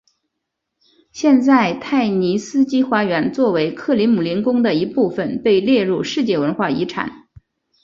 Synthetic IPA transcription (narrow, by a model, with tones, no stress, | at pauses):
ɕjɛ˥˧nt͡sa˥˧ɪt̪ʰa˥˩ɪni˧˥sɹ̩˥t͡ɕi˥xwa˧˥ɥɛ˧˥nt͡swɔ˥˩we˧˥ɪkʰɤ˥˩li˧˥nmu˨˩li˧˥nkʊ˥ŋd̪ə˨i˧˥pu˥˩fə˨˩npe˥˧ɪljɛ˥˧ɻu˥˧ʂɻ̩˥˧t͡ɕjɛ˥˩wə˧˥nxwa˥˩i˧˥ʈ͡ʂʰa̰˨˩˦n